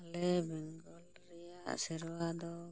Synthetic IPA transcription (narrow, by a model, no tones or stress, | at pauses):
alɛbɛŋɡɔl | ɾɛjaʔsɛɾwad̪ɔ